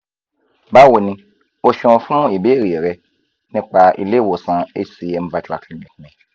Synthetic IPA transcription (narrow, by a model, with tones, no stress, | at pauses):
ba˦wo˨nĩ˧ | o˧ʃɔ̃˧fũ˦i˦˨be˦˨ɾi˨ɾɛ˧ | nĩ˧˦k͡pa˧ʔḭ˧le˦˨wo˨sã˨e˦si˧e˧m̩˦va˧˦tu˦a̰˨kli˦mĩ˨tnɛ̃˨